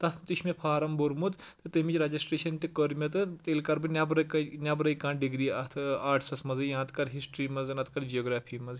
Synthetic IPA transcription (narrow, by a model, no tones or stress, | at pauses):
t̪ɐt̪ʰmt̪iʃʰmepʰaːɾɐmboɾmut̪ | t̪ɨt̪ɐmit͡ʃɾɐd͡ʒisʈɾeːʃɐnt̪ikəɾmʲɐt̪̬ɨt̪elkɐɾbɨnʲabɾɐknʲabɾɐjkaːnɖiɡɾiːɐt̪ʰaːʈsɐsmɐzɨjãːt̪kɐɾɦisʈɾiːmɐznɐt̪ʰkɐɾd͡ʒijoːɡɾaːpʰiːmɐz